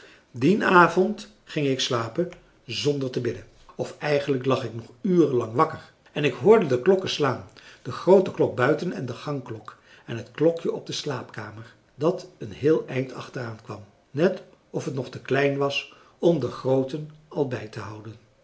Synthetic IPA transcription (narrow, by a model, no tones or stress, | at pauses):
dinaːvɔnt | χɪŋɪkslaːpən | zɔndəɹtəbɪdən | ɔfɛjχəndləklɑχɪknɔχyːrəlɑŋʋɑkəɹ | ɛnɪkɦʊːɹdədəklɔkəslaːnd̥əχrowtəklɔɡ̚bœɥtənɛ̰ndəχɑŋklɔk | ɛnɦətklɔkjəɔb̚dəslaːpkaːməɹ | dɑtənɦɪːlˠɛjntɑ̰χtəraːnkʋɑm | nɛt | ɔfɦətnɔχtəklɛjnʋɑs | ɔmdəχrowtənɑlˠbɛjtəɦʌwdən